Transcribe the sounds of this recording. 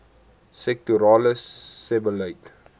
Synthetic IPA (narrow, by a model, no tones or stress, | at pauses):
sɛk̚tuɾɑːləsɛbələjt